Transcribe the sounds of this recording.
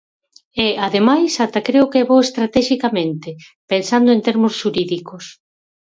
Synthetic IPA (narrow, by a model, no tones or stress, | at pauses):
ɛaðemajsat̪akɾeʊkɛβowest̪ɾat̪ɛʃikamẽnt̪ɪ | pensand̪ʊẽnt̪eɾmʊsʃuɾiðikos